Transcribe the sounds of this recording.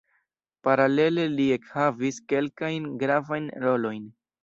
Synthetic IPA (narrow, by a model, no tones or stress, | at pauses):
paɾale̞le̞liekhaviske̞lkajnɡɾavajnɾo̞lo̞jn